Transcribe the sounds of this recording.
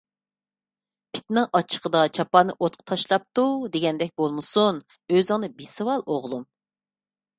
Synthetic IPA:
pʰɪ̥t̪nɨŋʔɑt͡ʃʰə̥qəd̪ɑt͡ʃʰɑpɑnːɨʔot̪̚qʰə̥t̪ʰɑʃlˠɑp̚t̪ud̪eɡʲɛnd̪ɛk̚ʲbolˠmɨsun | øzɨŋnɨbesɨwɑlˠoʁlˠum

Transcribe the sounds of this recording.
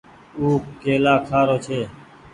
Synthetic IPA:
uːkeːlaːkʰaːɾoːt͡ʃʰeː

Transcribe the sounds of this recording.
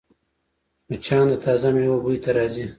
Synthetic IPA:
not͡ʃɑːnd̪ət̪ʰɑːzamewabujt̪aɾɑːzi

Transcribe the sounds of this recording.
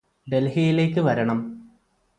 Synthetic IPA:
ɖ̪e̞lɦijile̞ːkːɨʋɐɾɐɳɐm

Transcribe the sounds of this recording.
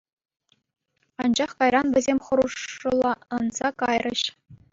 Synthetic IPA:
ɑnd͡ʑɑχkɑjrɑnʋʲɘ̆zʲemʲχɤ̆ɾuʂɤ̆lˠɑɤnz̥ɑkɑjrɤ̆ɕ

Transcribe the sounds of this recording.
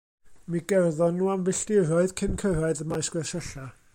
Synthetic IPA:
miɡɛrðɔnːuːamvɪɬtɪɾɔɨð̥kʰɪnkʰəɾaɨðəmajsɡ̥wɛʃəɬa

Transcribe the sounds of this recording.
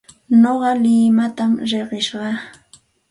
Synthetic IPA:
noɢɑlɪmat̪amɾeɢɪʃɢɑ

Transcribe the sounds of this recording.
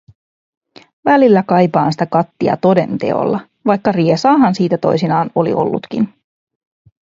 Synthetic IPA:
ʋælilːækɑjpɑːnsi̥t̪ækɑt̪ːiɑ̰t̪o̞de̞̰nt̪e̞̰o̞̰lːɑ | ʋɑjkːɑriesɑːɦɑnsiːt̪æt̪o̞̰jsinɑːno̞lḭʔo̞̰lːṵt̪k̟ḭn

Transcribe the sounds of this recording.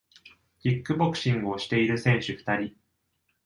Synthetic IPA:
çʲikːɯ̟bo̞kɯ̟̥ɕĩŋɡoɕi̥t̪e̞iɾɯ̟sẽ̞ɰ̃ɕɨɸɯ̟̥t̪aɾʲi

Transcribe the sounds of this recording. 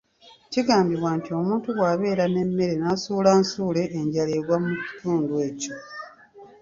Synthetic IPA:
ciɡaːmbiβwantio̞muːntuɣwaːβe̞ːɾane̞mːe̞ɾe̞nasuːlansuːle̞ʔːɲɟale̞ɾwamuci̥tʰuːndue̞ːco̞

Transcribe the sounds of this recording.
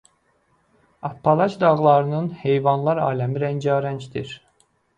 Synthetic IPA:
ɑpʰːɑlˠɑt͡ʃd̪ɑʁlˠɑɾɯnɯnhejvɑnlˠɑɾɑ̰ːlæmiɾænd͡ʒɑːɾænd͡ʒd̪iɾ

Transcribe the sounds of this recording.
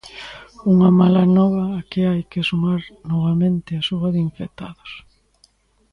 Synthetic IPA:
uŋamalanɔβ̞ɐːkeajkesumaɾnɔβamẽnt̪ɪasuβɐðiɱfek̚t̪a̰ðʊs

